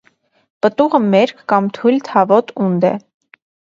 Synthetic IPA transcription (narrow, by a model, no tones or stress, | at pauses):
pət̪uʁəmɛɾkʰːɑmt̪ʰujlt̪ʰɑvɔt̪und̪ɛ̰